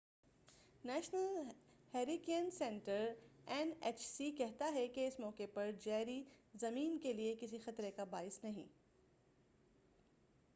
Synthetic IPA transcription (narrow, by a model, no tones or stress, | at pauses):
nɛːʃnəl | hɛːɾikiənsɛ̃ɳʈəɾɛneːt͡ʃsikɛɦt̪aɦɛkeɪsmɔːkepɐɾd͡ʒɛːɾizɐmiːnkeliekɪs̬ixɐt̪ɾekabaːɪsnɐɦḭ̃ː